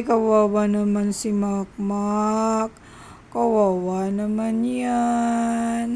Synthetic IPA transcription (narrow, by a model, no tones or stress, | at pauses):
kawawanamansimak̚makː | awawanamania | n